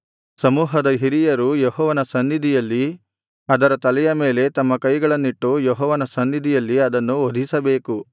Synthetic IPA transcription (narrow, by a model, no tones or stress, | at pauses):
sɐmuːɦɐd̪ɐɦiɾijɐɾujoɦɔːʋɐnɐsɐnːid̪ʱijɐlːi | ɐd̪ɐɾɐt̪ɐlɛjɐme̞ːle̞t̪ɐmːɐkɐjɡɐɭɐnːiʈːujɔɦɔːʋɐnɐsɐnːid̪ʱijɐlːiɐd̪ɐnːuod̪ʱisɐbe̞ːku